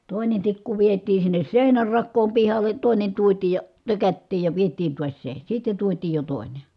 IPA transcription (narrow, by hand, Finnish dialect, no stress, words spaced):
toˑinen tikːu ʋietiː sinːes seˑinær rɑkːoːm pihɑlˑe toˑi̯nen tuotiːj jɑ tøkætːiːj jɑ ʋietˑiːn tuɑs se sitːen̞ tuotiːj jo toˑi̯ne